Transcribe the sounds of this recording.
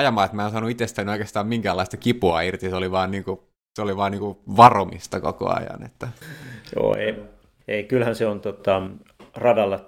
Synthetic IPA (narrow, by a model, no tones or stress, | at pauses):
ɑjɑmɑːet̪mæˑensɑːnuit̪est̪ænioikeːst̪ɑːmiŋkælːɑˑist̪ɑkipuɑirt̪iseoliʋɑːnniːŋku | seoliʋɑːniːŋkuʋɑromḭst̪ɑko̰ko̰ɑ̰jɑ̰nḛt̪ːæjo̰ːḛi | eikylhænseont̪ot̪ɑ | rɑdɑlːɑ